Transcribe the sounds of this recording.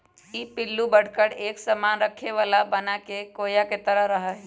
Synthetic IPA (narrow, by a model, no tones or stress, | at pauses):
ipɪlːubəɽ̤kəɽeːksəmaːnɾəkʰeʋaːlabɐnakekoːjaket̪əɾəɦɾɐɦaɦɛ